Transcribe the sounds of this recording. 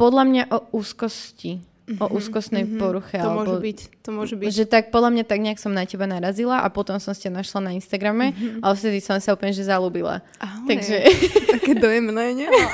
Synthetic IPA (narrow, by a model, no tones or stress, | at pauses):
pɔd̪lamɲaʔɔuːskɔsci | ʔɔʔuːskɔst̪nɛjpɔɾuxɛalɛbɔit̪ɔmɔʒɛbiʒɛt̪ak̚pɔd̪lamɲat̪aɡɲɛaksɔmnacɛbanaɾazilaʔapɔt̪ɔmsɔmsicanaʃlanainst̪aɡɾamɛaɔst̪ɛd̪isɔmsaupɲɛʒɛzaluːbila̰ | at̪aɡʒɛkɛd̪ɔjɛmnɛɲɛ